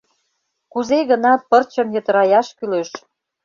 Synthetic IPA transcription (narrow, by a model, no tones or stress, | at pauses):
kuzeɣə̆nɑpərt͡ɕə̆mjə̆t̪ə̆ɾɑjɑʃkyløʃ